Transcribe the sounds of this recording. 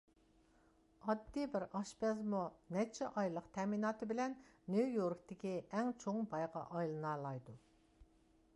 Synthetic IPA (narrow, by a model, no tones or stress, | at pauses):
ɑd̪ːibɪɾɑʃpɛzmunɛt͡ʃʰɛʔɑjlˠəqt̪ʰɛminɑːt̪ʰɨbɪlɛnːujoɾkt̪ʰɪkʲiɛŋt͡ʃʰoŋbɑjʁɑ̰ʔɑjlˠɨnɑːlˠɑjd̪u